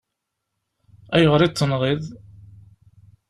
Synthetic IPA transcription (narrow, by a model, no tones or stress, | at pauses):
æjəʁɾit͡s̪ːənʁið